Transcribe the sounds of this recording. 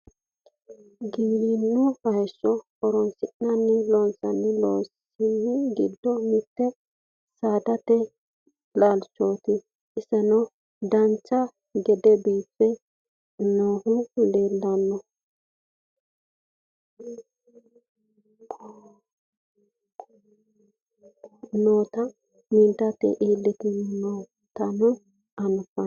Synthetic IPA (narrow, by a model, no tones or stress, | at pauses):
ɡiːlinːʊhɐjʃːɔʔɔɾɔnsɪʔnɐnːɛloːnsɐnːɛloːs | ɪnɡɪd̪ːɔmɪt̪ːɛ | saːd̪ɐt̪ɛ | laːlt͡ʃːoːt̪ɪ | ɪsɛnɔ | d̪ɐnt͡ʃːɐ | ɡɛd̪ɛbiːpːɛ | noːhʊleːlːɐnːɔ | noːt̪ɐ | mɪnt̪ɐt̪ːɛ̰ʔiːlːɪt̪ɪnnɔw | t̪ɐnɔ | ɐnʊfɐ